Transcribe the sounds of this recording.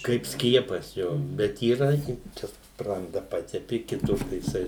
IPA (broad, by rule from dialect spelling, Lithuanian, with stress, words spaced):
kɐɪp ˈsʲkʲiɛpɐs ˈjoː bʲɛt iːˈrɐ ˈjɪ ˈt͡ʃʲɛ ˈsprɐndɐ ˈpɑːtʲɛpʲɪ kʲɪˈtʊr tɐɪ jɪˈsɐɪ